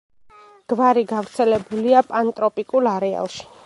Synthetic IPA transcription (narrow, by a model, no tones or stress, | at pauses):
ɡ̥vaɾiɡavɾt̪sʰɛlɛbuliapʼant̪ʼɾɔpʼikʼulaɾɛa̰lˠʃi̥